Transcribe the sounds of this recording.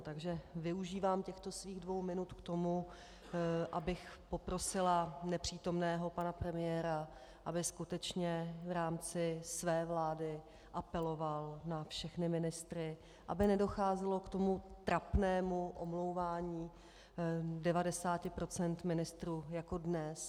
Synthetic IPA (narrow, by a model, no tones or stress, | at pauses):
t̪aɡʒɛvɪuʒiːvaːmcɛxt̪o̞sviːɣdvo̞wmɪnut̪kt̪o̞mu | ʔabɪxpo̞pɾo̞sɪlanɛpr̝̥iːt̪o̞mnɛːɦo̞panapɾɛmɪjɛːɾa | ʔabɪskut̪ɛt͡ʃɲɛvɾaːmt͡sɪsvɛːvlaːdɪ | ʔapɛlo̞valnafʃɛxnɪmɪnɪst̪ɾɪ | ʔa̰bɪnɛdo̞xaːzɛlo̞kt̪o̞mut̪ɾapnɛːmuʔomlo̞wvaːɲiː | dɛvadɛsaːcɪpɾo̞t͡sɛnt̪mɪnɪst̪ɾuːjakodnɛs